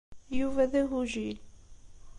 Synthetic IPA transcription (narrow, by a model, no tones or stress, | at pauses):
juvæðæɦuʒil